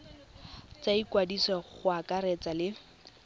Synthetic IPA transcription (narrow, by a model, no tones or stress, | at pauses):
t͡saikwadisɔχʊakʼaɾɛt͡salɪ